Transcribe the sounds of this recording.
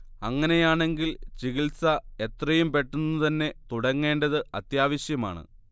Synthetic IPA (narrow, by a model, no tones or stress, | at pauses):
ɐŋːɐne̞jaːɳe̞ŋɡilt͡ɕiɣilsɐe̞t̪rɐjumpe̞ʈːunːut̪ɐnːe̞t̪uɽɐŋːe̞ːɳdɐðɨɐt̪jaːʋɐɕjɐma̰ːɳɨ̰